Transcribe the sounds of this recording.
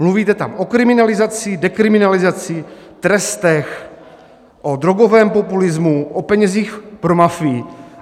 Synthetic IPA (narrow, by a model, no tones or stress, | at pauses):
mluviːt̪ɛt̪a̰mʔokɾɪmɪnalɪzat͡sɪdɛkɾɪmɪnalɪzat͡sɪt̪ɾɛst̪ɛx | ʔod̪ɾo̞ɡovɛːmpo̞pulɪzmuʔopɛɲɛziːxpɾomafɪː